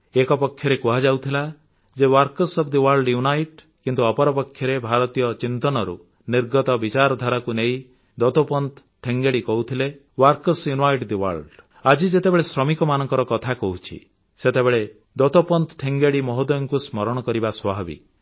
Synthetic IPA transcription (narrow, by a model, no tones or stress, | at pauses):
ekɔpɔkʰːjɔɾekuɦad͡ʒawt̪ʰila | d͡ʒewaɾkɔsɔbʰd̪iwaɾɖjunajʈ | kint̪uɔpɔɾɔpɔkʰjɔɾebʱaɾɔt̪ijɔt͡ʃint̪ɔnɔɾṵ | niɾɡɔt̪ɔbit͡ʃaɾɔd̪ʱaɾakunei | d̪ɔt̪opɔnt̪ | ʈʰeŋɡeɽikɔɦut̪ʰile | waɾkɔsjunajʈd̪iwa̰ɾɖ | ad͡ʒid͡ʒet̪ebeɭesɾɔmikɔmanɔŋkɔɾɔkɔt̪ʰakɔɦut͡ʃʰḭ | set̪ebeɭe | d̪ɔt̪ɔpɔnt̪ʈʰeŋɡeɽimɔɦɔd̪ɔjɔŋkusmɔɾɔɽ̃ɔkɔɾibaswɔbabḭ